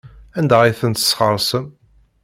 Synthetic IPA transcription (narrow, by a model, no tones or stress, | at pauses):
ænd̪æʁiθənt̪ə̥sχəɾˤsəm